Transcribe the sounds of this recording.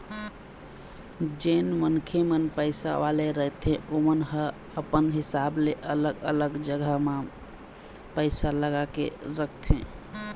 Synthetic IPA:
d͡ʒenmənkʰemənpəɪsa̰ʋaleɾəɦt̪ẽomənɦə | əpənɦɪsableʔələɡələɡd͡ʒəɡʱama | pəɪsaləɡakḛɾək̚ʰt̪ʰḛ̃

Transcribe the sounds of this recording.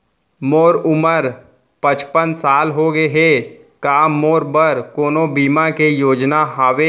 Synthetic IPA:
moːɾʊməɾ | pə̃t͡ʃpənsaːlɦoɡeɦe | kaːmːoːɾbəɾkoːnõbiːmakejoːd͡ʒnaɦaːʋeː

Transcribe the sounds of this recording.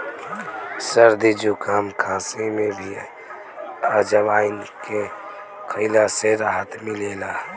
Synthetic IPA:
səɾd̪id͡ʒukaːmkʰãːsemẽbʱi | ad͡ʒəʋaːɪnke | kʰəlaseɾaɦət̪mɪleːlaː

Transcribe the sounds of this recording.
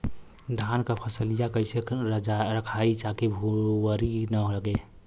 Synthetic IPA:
d̪ʱaːnkapʰəsəlijakəɪseɾəkʰait͡ʃakebʱuwəɾinəɦoləɡe

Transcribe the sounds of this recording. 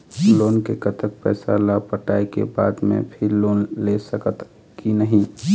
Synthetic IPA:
loːnkekət̪ək̚pɛ̰ːsalapəʈaːikḛba̰ːd̪mḛ̃pʰɪɾloːnlesəkət̪ | kinəɦĩ

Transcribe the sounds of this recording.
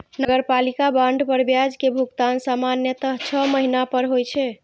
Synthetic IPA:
nəɡəɾpalikabãɳɖʱpəɾbjad͡ʒkebʱuɡt̪ansamanjət̪əɦt͡ʃʰəməɦinapəɾɦojt͡ʃʰɛ

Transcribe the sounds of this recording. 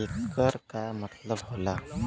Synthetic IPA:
ekːəɾkamət̪ləbɦola

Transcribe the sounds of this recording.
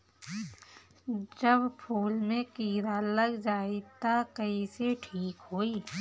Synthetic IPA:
d͡ʒəbpʰuːlmẽkiːɾaləɡd͡ʒaːit̪akəiseʈʰiːkɦoːiː

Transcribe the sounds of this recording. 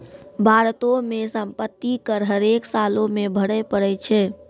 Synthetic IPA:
bʱaɾt̪omesəmpət̪ːikəɾɦəɾeksalomebʱəɽɛpəɽɛt͡ʃʰɛ

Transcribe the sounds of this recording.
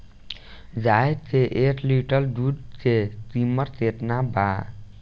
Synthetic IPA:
d͡ʒaːed̪t͡ʃeʔeːʈliʈəlɖuɖt͡ʃet̪iməɾteːʈ̪nabaː

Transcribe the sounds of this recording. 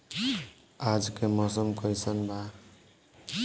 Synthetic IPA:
ad͡ʒkemɔsəmkʌjsənba

